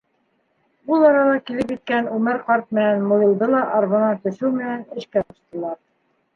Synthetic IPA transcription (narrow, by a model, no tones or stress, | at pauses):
bulˠɑɾɑlˠɑkilɘpjit̪̚kænʉmɘɾqɑɾt̪̚mɘ̆nænmujɤ̆lˠd̪ɤlˠɑʔɑɾβŏnɑt̪ɵ̆ʃɘwmɘ̆nænɘ̆ʃkætŏʃt̪ɤ̆lˠɑɾ